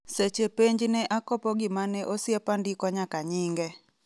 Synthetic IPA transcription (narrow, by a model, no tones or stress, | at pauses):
set͡ʃepeɲd͡ʒnɛʔakɔpɔɡɪmanɛʔosɪɛpandikɔɲakaɲiŋɡɛ